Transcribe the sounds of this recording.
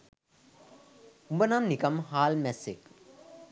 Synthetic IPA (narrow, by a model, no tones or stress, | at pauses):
umbənamnikɐmhaːlmɛsek